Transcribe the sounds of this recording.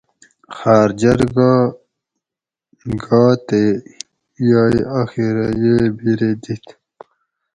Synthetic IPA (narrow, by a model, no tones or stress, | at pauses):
xaːɾd͡ʑʌɾɡ | ɡaːt̪e | jaiaxiɾajebiɾed̪it̪